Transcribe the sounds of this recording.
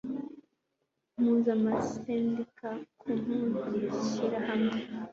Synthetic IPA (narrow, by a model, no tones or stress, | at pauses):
m̥uzamaseːndikakʰum̥uziɾiɕiɾahamŋe